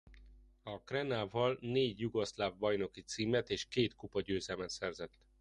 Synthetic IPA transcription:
ɒkrɛnaːvɒlneːɟjuɡo̞slavbɒjno̞kit̪siːmɛt̪eːʃkeːt̪kupɒɟøːzɛlmɛt̪sɛrzɛt̪ː

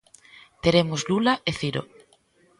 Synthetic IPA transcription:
t̪eɾemozlulaʔeθiɾo̰

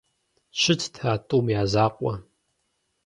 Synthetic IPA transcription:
ʃʰɨtʰtʰaːtʼuːmjaːzaːqʷʼɔ

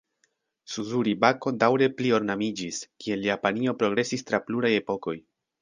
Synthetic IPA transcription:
suzuɾibako̞dawɾe̞plio̞ɾnamid͡ʒiskie̞ljapanio̞pɾo̞ɡɾe̞sistɾapluɾaje̞po̞ko̞j

